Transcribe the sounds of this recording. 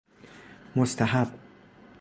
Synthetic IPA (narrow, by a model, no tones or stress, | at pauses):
most̪ʰæɦab